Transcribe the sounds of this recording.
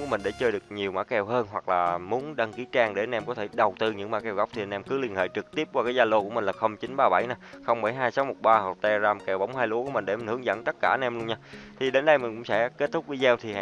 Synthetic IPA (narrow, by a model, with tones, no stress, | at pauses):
u˧˩˦mï˨˩ŋ̟ɗe˧˩t͡ɕəː˧jɗɨ˨˩ək̚ɲi˨˩əwma̰˧˥kɛ˧wɦəː˧nɦwa˨˩k̚laː˨˩mu˨˦ənɗa˧ŋki˨˦t͡ɕaː˧ŋɗe˧˩˦nʔɛ˧mkɔ˨˦t̪ʰe˧˩ɗə˨˩wt̪ɨ˧ɲɨ̰˧˥ŋmaː˧˥kɛ˧˩wɣa˦˥k͡p̚t̪ʰi˨˩˨nʔɛ˧mkɨ˨˦li˧ənhḛː˧˨jt͡ɕɨ˨˩k̚t̪i˦˥əp̚kwaː˧kaː˨˦jzaː˧lo˧ku˧˩əmï˨˩ŋlaː˨˩xə˧wŋ͡mt͡ɕi˨˦ŋɓaː˧ɓa˧˩jna˨˧xə˧wŋ͡mɓə˧˩jɦaː˧jsa˨˦wmo˨˩t̚ɓaː˧hə˨˩t̪ɛ˧zaː˧mkɛ˨˩wɓa̰˧˦wŋ͡mhaː˧jlu˨˦ku˧˩˦mï˨˩ŋ̟ɗe˧˩mi˨˩ŋ̟hɨ˨˩˦əŋzə̰˧˥nt̪ə˦˥t̚kaː˧˩˦nʔɛ˧mlu˧əɲaː˧t̪ʰi˨˩ɗe˨˦nɗə˧jmï˨˩ŋ̟kʊ̰˧˥ŋ͡msɛ̰˧˥ke˦˥t̚t̪ʰʊ˦˥k͡p̚vi˨˦zɛ˧wt̪ʰi˨˩ha̰˧